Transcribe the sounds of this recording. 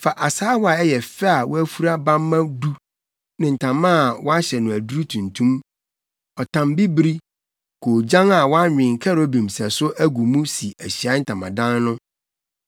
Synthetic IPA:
fa˨ʔa˨saː˦wa˨ɛ˦jɛ˨fɛ˦a˨wɔ˦æ˦fu˦ɾa˦bã˦mː˦ã˦du˦ | nɪ̃˨n̩˨tʰã˨mːã˦˨wʔɔ˦a˦ɕɛ˨nʊ̃˨æ˨du˦ɾu˦tʰũ˨ntʰũ˦m | ɔ˨tʰã˨mbi˦bɾi˦ | kʰo˨d͡ʑã˦ŋa˨wɔ˦a˦ɲᶣɪ̃˨ŋ̩˨kʰa˦ɾo˦bĩ˨msɛ˨sʊ˦ʔæ˦ɡu˨mũ˦si˨æ˨ɕi˨a˨˦n̩˦tʰã˨mã˨dã˦nːʊ̃˦

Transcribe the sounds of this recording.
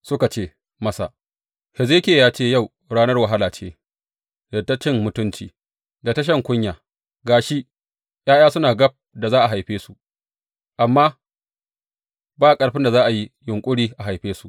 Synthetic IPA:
sʊ˦ka˨t͡ʃeː˦˨ | mɐ˦sa̰˨ | hɛ˨ze˦kʲeː˨jaː˦t͡ʃeː˦˨ja˦˨w | ɽaː˦nɐ˦rwɐ˨ɦa˦laː˨t͡ʃeː˦ | dɐ˨tːa˦t͡ʃɪ˦ŋmʊ˨tʊ˦nt͡ʃiː˨ | da˨tɐ˦ʃ̬ɐ˦˨ŋkʷʊ˦ɲjaː˨ | ɡaː˨ʃi˦ | j̰aː˦j̰aː˦sʊ˦naː˨ɡɐ˦p̚da˨zaː˦ʔa˨ɦa˨jɸeː˦su˨ʔ | ʔa˨mːaː˦ | baː˦˨kʼɐ˨ɽɸɪ˦nda˨zaː˦ʔa˨ji˦jʊ˨ŋkʷʼʊ˦ɽiː˦ʔa˨ɦa˨jɸeː˦su˦ʔ

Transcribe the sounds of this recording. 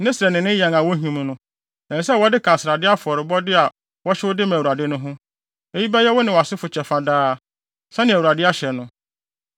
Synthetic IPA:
nɪ̃˦sɪ˨ɛ˨nɪ̃˨nɪ̃˦jɛ˨ŋa˨wɔ˦ɦũ˨m˦nʊ̃˦ | ɛ̃˨sɛ˦˨wɔ˦dɪ˦kʰã˨sɪ˨ɾa˨dɪ˦a˦fʊ˨ɔ˨ɾɪ˨bɔ˦dɪ˦a˨ | wɔ˦ɕɪ˦wʊ˦dɪ˦mã˨u˨ɾa˨dɪ˦nʊ̃˦ɦʊ̃˦ | e˦ji˦bɛ˦jɛ˦wɔ˦nɪ̃˨wa˨sɪ˦fʊ˨t͡ɕʰɛ˨fa˨daː˦ | sã˦nɪ̃˨æ˨wu˨a˨dɪ˦a˦ɕɛ˨nʊ̃˨

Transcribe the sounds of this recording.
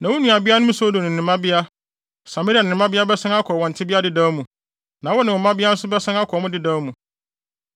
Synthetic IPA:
nã˨wʊ˦nũ˨a˨bɪ˦a˦nʊ̃˦m˦so˦do˨nɪ̃˨ɪ̃˨mã˦bɪ˦a˦ | sa˨me˦ɾi˦a˨ɪ̃˨ɪ̃˨mã˦bɪ˦a˦bɛ˦sã˦ŋa˦kʰɔ˨ɔ̃˨n̩˨tʰɪ˦bɪ˦a˦dɪ˨daː˨˦mũ˨ | nã˨wɔ˦nɪ̃˨ʊ̃˨mã˦bɪ˦a˦n̩˦sʊ˦bɛ˦sã˦ŋa˦kʰɔ˨mʊ̃˦dɪ˦daː˨˦mũ˨

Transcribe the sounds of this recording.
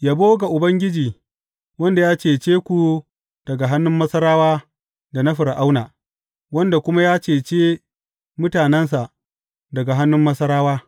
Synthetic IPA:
jaː˦boː˦ɡa˨ʔʊ˨bɐ˦ŋɡʲɪ˦d͡ʒiː˨ | wɐ˦nda˨jaː˦t͡ʃeː˨t͡ʃeː˦kʷu˨ | d̥ɐ˨ɡa˨ɦa˦nːʊ˦mːɐ˦sɐ˦ɾaː˦waː˦ | da˨na˦ɸɪ˨ɾʔa˦wnaː˨ | wɐ˦nda˨kʷʊ˦ma˦jaː˦t͡ʃeː˨t͡ʃeː˦ | mʊ˦taː˨nɛ˦ns̬a˨ʔ | dɐ˨ɡa˨ɦa˦nːʊ˦mːɐ˦sɐ˦ɾaː˦waː˦

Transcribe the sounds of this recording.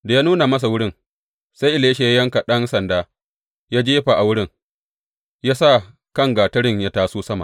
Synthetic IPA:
da˨jaː˦nuː˦na˨mɐ˦s̬a˨wʊ˦ɽɪ˦˨ŋ | sa˦jʔɪ˨leː˦ʃe˨ja˦jɐ˦ŋka˨ɗɐ˦nsɐ˨ndaː˦ | jaː˦d͡ʒeː˦ɸa˨ʔa˨wʊ˦ɽɪ˦˨ŋ | jaː˦sa˦˨ | kɐ˦˨ŋɡaː˨tɐ˦ɽɪ˦˨ɲja˦taː˦suː˦sɐ˦ma̰˨ʔ

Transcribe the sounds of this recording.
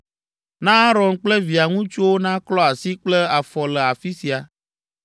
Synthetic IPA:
nã˦a˦ɾɔ̃˨nk͡plɛ˦vi˨a˨ŋũ˦t͡ʃo˦wo˦nã˦klɔ˦a˨si˦k͡plɛ˦a˨fɔ˨lɛ˨a˨fi˦si˨a˨

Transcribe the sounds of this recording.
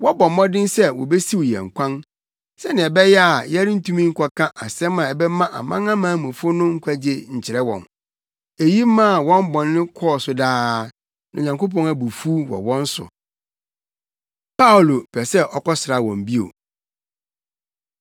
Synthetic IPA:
wɔ˦bɔ̃˨mː˦ɔ̃˦dɪ̃˦nsɛ˦wɔ̰˨be˦si˦wjɛ̰˨ŋ̩˨kʷʰã˦n | sɛ˦nɪ̃˨ɛ˨bɛ˦jɛ˦a˨jɛ˦ɾɪ˦n̩˦tʰũ˦mĩ˦ŋ̩˦kʷʰa˦kʰã˦ʔa˨sɛ̃˦mː˦ã˨ɛ˨bɛ˦mã˦ʔa̰˨mã̰˦ŋã˦mãː˨˦mũ˨fʊ˦nʊ̃˦ŋ̩˦kʷʰa˦d͡ʑe˦ɲ̩˨t͡ɕʰɪ˨ɾɛ˦wɔ̰̃˨n | e˨ji˦mːã˦˨wɔ̃˦m˦bɔ̃˨nːɪ̃˦kʰɔ˦˨sʊ˨daː˦ | nã˨ɲã˨ŋko˦p̬ɔ̃˦ŋa˨bu˨fu˦wɔ̰˨wɔ̃˦n̩˦sʊ̰˨ | pa˦o˨lo˨pʰɛ˨sɛ˦ʔɔ˨kɔ˦sɪ˨ɾa˨wɔ̃˨m˨bi˦o̰˨

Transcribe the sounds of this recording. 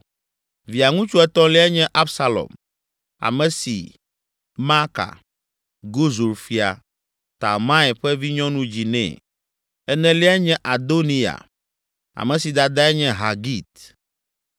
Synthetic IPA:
vi˨a˨ŋũ˦t͡ʃu˦ɛ˦t̪ɔ̃˦li˦a˦ɲɛ̃˦ʔa˦bsa˦lɔ̰˨m | a̰˨mɛ̃˨sḭ˨ | ma˦ka̰˨ | ɡo˦zu˨ɾfi˨a̰˨ | t̪a̰˨mã˦ɛ˨ɸɛ˦vi˦ɲɔ̃˦nũ˦d͡ʑi˨nɛ̰̃˨ | ɛ˦nɛ̃˦li˦a˦ɲɛ̃˦ʔa˨d̪o˦nĩ˦a̰˨ | a̰˨mɛ̃˨si˨d̪a˨d̪a˦ɛ˦ɲɛ̃˦ɦa˨ɡi˦t̪

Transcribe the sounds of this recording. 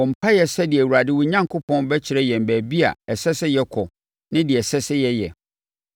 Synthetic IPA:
wɔ˨m̩˨pʰa˦jɛ˨sɛ˦dɪ˨æ˨wu˨ɾa˨dɪ˦wʊ˨ɲã˦ŋkʰʊ˦pʰɔ̃˦nbɛ˦t͡ɕʰɪ˨ɾɛ˦jɛ˨m̩˨bæː˨bi˦a̰˨ɛ˨sɛ˦sɪ˦jɛ˦kʰɔ˨ | nɪ̃˦dɪ˨ɛ˨sɛ˦sɪ˦jɛ˦jɛ˨

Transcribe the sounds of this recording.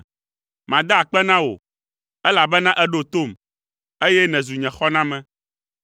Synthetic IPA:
mã˨d̪a˦˨k͡pɛ˦nã˦wo̰˨ | ɛ˦la˨bɛ˦nã˦ʔɛ˦ɖo˦t̪o˦˨m | e˦jɛ˦nɛ̃˨zu˨ɲɛ̃˨xɔ˦nã˦mɛ̃˨

